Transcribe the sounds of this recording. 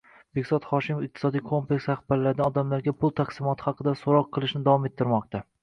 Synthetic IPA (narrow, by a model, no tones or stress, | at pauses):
b̥ekʲsɒt̪χɒʃɪmofɪq̚t̪ʰɪ̥sɒd̪ijkʰo̞mplekʲsaχbaɾlaɾɪd̪anɒd̪amlaɾɡʲapʰʊlˠt̪ʰaqsɪmɒt̪ʰɪ̥hɑqʰɨd̪asoɾɒqʰːɨlˠɪʃnɪd̪avɒme̞t̪ʰːɪɾmɒq̚t̪a